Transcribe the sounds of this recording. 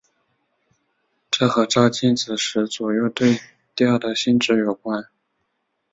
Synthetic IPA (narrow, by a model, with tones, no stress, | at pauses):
ʈ͡ʂɤ˥˩xɤ˧˥ʈ͡ʂɑ˥ʊt͡ɕi˥˩nt͡sɹ̩˨˩ʂɻ̩˧˥t͡swɔ˨˩jo˥˧ʊt̪we˥˧ɪ | t̪i˥ɑ˥˩d̪ə˩ɕi˥nʈ͡ʂɻ̩˧˥jo˨˩ʊkwa˥n